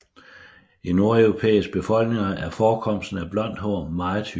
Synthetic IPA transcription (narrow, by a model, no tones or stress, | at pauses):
ino̝ɐœʊʁo̝pʰḛːisɡ̥̚b̥e̝fɒ̽l̰ɡ̥ne̝ŋɐæɐfɒːkʰɒ̽m̰sd̥n̩æb̥lɒ̽n̰d̥ɦoɐ̰mɑ̈t͡sʰy